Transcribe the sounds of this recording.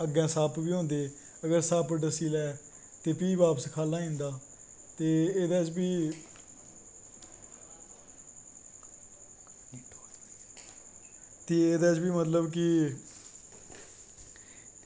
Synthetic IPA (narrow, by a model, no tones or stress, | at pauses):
əɡɛ̃ːsaːpbiːɦõːnd̪eː | əɡəɾsaːpɖəsiːlɛː | t̪eːpiːbaːpəskʰaːlãːɦĩːnd̪aː | t̪eːeːd̪aːt͡ʃbiː | t̪ieːd̪aːt͡ʃbiːmət̪ləbkɪ